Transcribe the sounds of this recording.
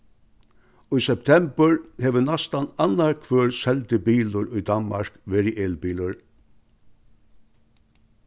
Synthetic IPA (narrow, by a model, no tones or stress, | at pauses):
ʊjsɛp̚t̪ʰɛmbəɹhɛʋənast̪ananːaɹkʰʋøːɹsɛlt̪ɪbiːlʊɹʊjd̪anma̰ɹ̥kʋeːɾɪʔeːlbiːlʊɹ